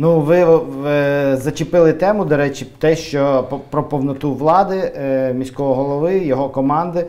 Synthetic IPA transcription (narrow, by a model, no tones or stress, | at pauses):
nuʋɪ | zɐt͡ʃɪpɪlˠɪt̪ɛmʊd̪ɔɾɛt͡ʃɪt̪ɛʃt͡ʃɔpɾɔpɔwnɔt̪uʋlˠɑd̪ɪmʲisʲkɔɦɔɦɔlˠɔʋɪjɔɦɔkɔmɑnd̪ɪ